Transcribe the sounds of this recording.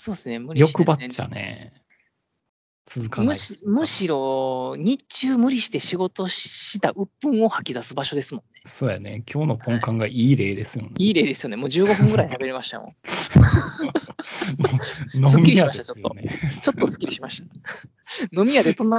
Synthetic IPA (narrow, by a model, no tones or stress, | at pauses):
so̞ːdesɨne̞mɯ̟ɾjo̞kɯ̟bat͡ɕa̰nḛ | t͡sɨzɨkamɯmɯ̟ɕiɾo̞ɲ̟it͡ɕɨːmɯ̟ɾʲiɕi̥t̪e̞ɕiɡo̞t̪o̞ɕit̪aʔɯ̟pːɯ̟̃ɰ̃o̞hakʲid̪asɨbaɕo̞d̪e̞sɨmõ̞nːe̞soːjanḛkʲo̞ːno̞põ̞ŋkãŋɡaʔiːɾe̞ːd̪e̞sɨjoniːɾe̞ːd̪e̞sɨjo̞ne̞moːd͡ʑɨːɡo̞ɸɯ̟̃ŋɡɯ̟ɾait̪abe̞ɾimaɕi̥t̪a̰mõ̰ | monosɨmʲiiiamat̪at͡ɕoj̪o̰net͡ɕo̞t̪ːosɨ̥kʲiɾʲiɕimaɕi̥t̪a | no̞mʲijad̪e̞t̪onːa